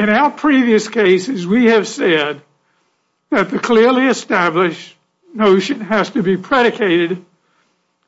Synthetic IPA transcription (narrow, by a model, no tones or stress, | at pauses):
ɨ̃naʊə˞pʰɹ̥iviɨskʰeɪsɨzwiɨv̥sɛd̪̚ | ðɨt̪̚ðɨkʰl̥ɪɹliɨstæblɪʃ | noʊʃɨ̃næz̥tɨbipʰɹ̥ɛɾɨkʰeɪɾɨd